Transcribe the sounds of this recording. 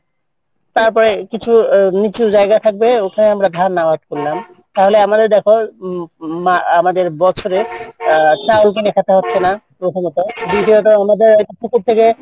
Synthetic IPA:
taɹpɔɹɛkit͡ʃʰunit͡ʃuzajɡat̪ʰak̚bɛokʰanɛamɹadʱanːawat̚kullam | taɹɦolɛamadɛɹdɛkʰɔ | maamadɛɹbɔksʰɔɾɛ | tawlk̬inɛkʰatʰaɦɔtːsʰɛna | otʰɔmɔtɔdidijɔtɔamadɛɹɔjtupʰukup̚t̪ʰːekɛ

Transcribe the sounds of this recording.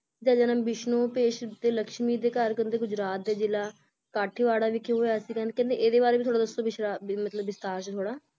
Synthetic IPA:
d͡ʒaːd͡ʒaːnə̃mbɪʃnõːpeːʃd̪eːləkʃmiːd̪eːkəɾkənd̪eːɡʊd͡ʒɾaːt̪̚d̪eːd͡ʒɪlaː | kaːʈʰiːʋaːɽaːʋiːkʰːjõɦoːjaːsiːkə̃nkɛ̃ːnd̪eːʔeːd̪eːbaːɾeːit̪ʰoːɽaːd̪əsːoːbɪʃɾaːmət̪ləbːɪst̪aːɾʃt̪ʰoːɽaː

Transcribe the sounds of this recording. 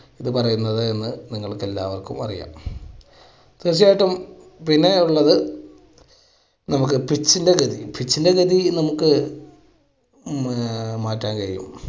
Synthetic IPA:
iðɨpɐrɐjunːɐðɨenːɨniŋːɐɭkːe̞lːaːʋɐrkumɐ̰rḭja̰ːm | t̪ɨrt͡ɕ̬ːijaːjʈːum | pinːeuɭːɐðɨ | nɐmukːɨpit͡ɕːinde̞ɡɐðipit͡ɕːinde̞ɡɐðinɐmukːɨ | maːtːaːnkɐɾijṵm

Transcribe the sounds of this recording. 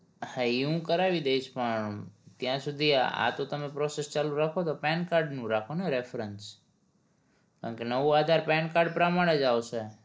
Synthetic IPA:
haiɦũkəɾaʋid̪eiʃpəɳt̪jãsud̪ʱia̰t̪ot̪əmepɾɔsest͡ʃalũɾakʰot̪opɛnkaɾɖnũɾakʰoneɾefɾəns | ka̰ɳkenəʋuad̪ʱaɾpɛnkaɾɖ̚pɾəmaɽ̃ed͡ʒawt͡ʃʰe

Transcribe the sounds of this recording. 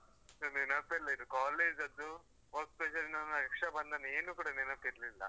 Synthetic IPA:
soninɐpːiɾlɐid̪ukaːleːd͡ʒzɐd̪ːu | bɐkspeʃɐlinɐnɐɛkʂɐbɐnd̪ɐnɐeːnuːkuːɽɐninɐpːiɾlilːɐ̰

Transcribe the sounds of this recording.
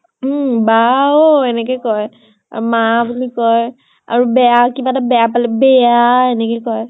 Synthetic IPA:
baoɛnɛkɔjkɔj | a̰ɹumaapunikɔj | a̰ɹubɛjakibatabɛjapalɛbɛjaenɛkɔjkɔj

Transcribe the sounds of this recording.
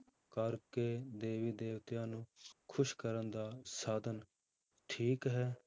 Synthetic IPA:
kəɾkeːd̪eːʋiːd̪eːʋt̪jãːnũːkʰʊʃkəɾənd̪aːsaːd̪ən | ʈʰiːkɦɛː

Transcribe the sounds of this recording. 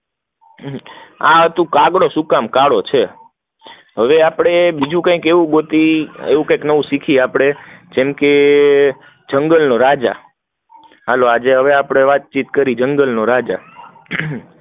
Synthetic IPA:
a̰t̪ũkaɡɽosukamkaɽot͡ʃʰe | ɦəʋeapɽ̃ebid͡ʒũkãikeʋũɡot̪iḛʋũkãjknəʋũsikʰiapɽ̃ed͡ʒemke | d͡ʒəŋɡəlnoɾad͡ʒa̰ | a̰load͡ʒeɦəʋeapɽ̃eʋat̪̚t͡ʃit̪kəɾid͡ʒəŋɡəlnoɾad͡ʒa

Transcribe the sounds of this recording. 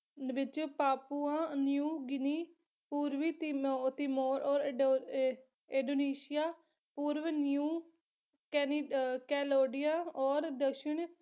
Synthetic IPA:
ʋɪt͡ʃpaːpuːãːnjuːɡɪniː | puːɾʋiːt̪ɪmoːɾʔɔːɾ | ɪ̃ɖoːniːʃɪjaː | puːɾʋnjuː | kɛnkɛːloːɖɪjãːɔːɾd̪əkʃɪɳ

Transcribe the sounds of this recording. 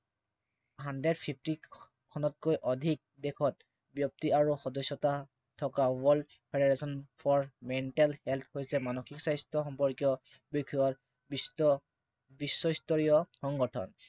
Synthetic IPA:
ɦandɹɛdpʰipʰti | kʰɔnɔt̚kojʔɔdʱik̚dɛkʰɔt̚ | bjɔp̚tiaɹuxɔdɔsːɔta | tʰɔkawɔld | pʰedeɹesɔnpʰɔɹmɛntɛlhɛlt̪ʰhojsɛmanoxiksajstɔxɔmpɔɹkjɔ | bokʰiɔɹ | bs | bisːɔistɔɹijɔxɔŋɡɔtʰɔ̰n

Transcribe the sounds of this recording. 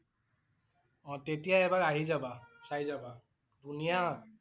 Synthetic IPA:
ɔ̃t̪et̪ijaebaɾaɦid͡ʒabasajzaba | d̪unija

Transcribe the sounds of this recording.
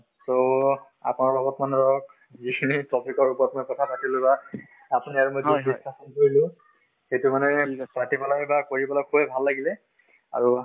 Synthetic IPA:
so | a̰punaɹlɔɡɔtmanɹɔk̚ | zikʰinitʰɔpʰikɔɹupɔɹɔtmojkɔtʰapatilʊ̃ba | apuniaɹumojdibistʰːasɔnkoɹilʊ̃ | xejtʊmanɛpatipalajbakoɹipalakʰubɛbʱalːaɡilɛ | a̰ɹu

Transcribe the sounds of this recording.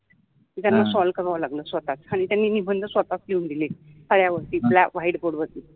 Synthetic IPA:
t̪it̪janːasɔlkəɾaʋlaɡləːsʋət̪at͡saɽ̃it̪janːiːnibənd̪ʱəsʋət̪at͡skiund̪ilekəɽjaʋəɾt̪iːplaʋaiɽpoɽʋət̪i

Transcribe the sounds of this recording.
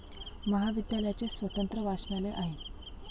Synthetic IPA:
məɦaʋid̪jaləjat͡ɕesʋət̪ənt̪ɾəʋaʂɳjaleʔaɦe

